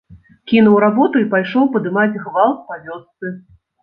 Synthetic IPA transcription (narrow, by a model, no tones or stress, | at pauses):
kʲinuwɾabɔt̪uipajʂɔwpɐd̪ɨmad͡zʲɣvalˠspavʲɔst̪sɨ